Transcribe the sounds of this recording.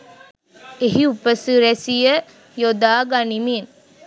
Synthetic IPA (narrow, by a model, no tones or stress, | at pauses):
eɦiupəsuɾæsijə | jod̪aːɡanimen